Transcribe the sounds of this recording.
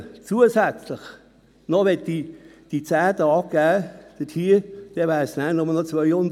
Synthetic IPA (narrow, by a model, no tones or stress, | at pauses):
t͡suəsæt͡slɪχ | nɔʋɛt̚did̥it͡sæːd̪əɑp̚ɡ̥æːd̥ətʰiːd̥ɛʋæɪsnæːnʊməlnɔt͡sʋœʏhʊnd